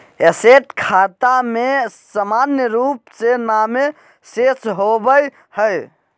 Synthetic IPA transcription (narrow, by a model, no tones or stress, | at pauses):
eseʈkʰat̪amesəmanjəɾupsename | sesɦobəj | həj